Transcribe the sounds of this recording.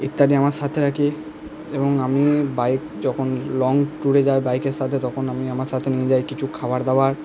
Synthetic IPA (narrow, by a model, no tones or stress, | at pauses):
it̪ːaɖiamaɾʃat̪ʰeɾakʰi | eboŋamibajkd͡ʑɔkʰonlɔŋʈuɾed͡ʑaebajkeɾʃat̪ʰet̪ɔkʰonamiamaɾʃat̪ʰenijed͡ʑajkit͡ɕʰukʰabaɾd̪aaɾ